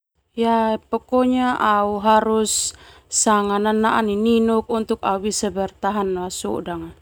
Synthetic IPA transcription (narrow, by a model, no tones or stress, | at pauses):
jaɛpɔkɔɲaʔauɦaɾusː | aŋananaʔanininuk̚unt̪uk̚a̰uwisɛbɛrt̪aɦanwasɔ̰daŋa